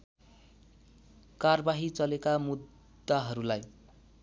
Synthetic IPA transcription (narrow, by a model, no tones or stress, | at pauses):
karbaɦit͡sʌlekamud̪ː | aɦʌɾulaj